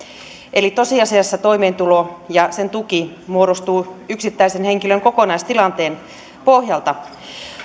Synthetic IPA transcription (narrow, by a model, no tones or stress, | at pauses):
ʔelit̪osiɑsiɑsːɑt̪oimeːnt̪ulojɑsent̪uki | muoɾost̪uːyksit̪ːæisenheŋkiløŋkokonɑist̪ilɑnt̪eːn | pohjɑlt̪ɑ